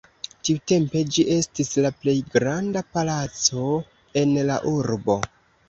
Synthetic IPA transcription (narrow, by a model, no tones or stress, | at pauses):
tiute̞mpe̞d͡ʒiʔe̞stislaple̞jɡɾandapalat͡so̞ | e̞nla̰ʔuɾbo̞